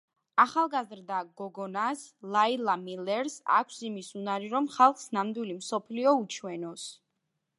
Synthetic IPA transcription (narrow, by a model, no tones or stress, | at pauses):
aχalˠɡazɾd̪aɡɔɡɔnaslˠailˠamilɛɾsa̰kʷʰsimisunaɾiɾɔmχalˠχsnamd̪wilimsɔpʰliɔut͡ʃʰwɛnɔs